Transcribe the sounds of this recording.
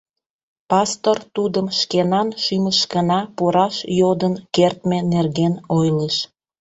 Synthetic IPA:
pɑst̪ort̪ud̪əmʃkenɑnʃyməʃkənɑpuɾɑʃjod̪ənkert̪menerɣenojleʃ

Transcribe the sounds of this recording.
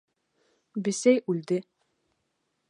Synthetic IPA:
bɘ̆sæjʉld̪ɘ

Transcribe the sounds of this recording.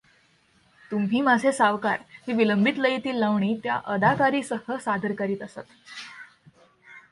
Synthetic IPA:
t̪umɦiːmad͡zʱesaʋka̰ɾɦiʋiləmbʱit̪ləjet̪iːlːaʋɳiːt̪ja̰ʔəd̪ʱakaɾiːsəɦəsad̪ʱəɾkəɾiːt̪əsat̪

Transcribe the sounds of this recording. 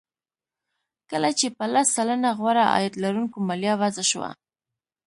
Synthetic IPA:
kəlat͡ʃepəlasːalanaɣwaɾaʔɑ̰jad̪laɾuŋkomaljɑwazaʃwa̰

